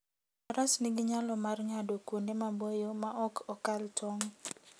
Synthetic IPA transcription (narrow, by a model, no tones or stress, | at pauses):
aɾasniɡɪɲalɔmarɲadokundemabojomaʔɔkʰɔkaltʰɔŋ